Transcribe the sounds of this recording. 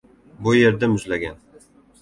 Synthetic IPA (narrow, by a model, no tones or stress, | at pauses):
bʊjeɾd̪amʊzlaɡʲan